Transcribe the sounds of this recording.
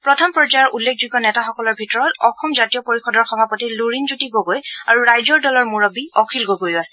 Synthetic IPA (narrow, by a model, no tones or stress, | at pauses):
pɹɔtʰampɹɔd͡ʒajɔɹʔulːekʰzuɡɔnɛtaxɔkɔlɔɹbʱitɔɹɔtɔxɔmzatijɔpoɹixɔdɔɹxɔbʱapɔtiluɹinzutiɡoɡojaɹuɹajzɔɹdɔlɔɹmuɹɔbiɔkʰilɡoɡojasɛ̥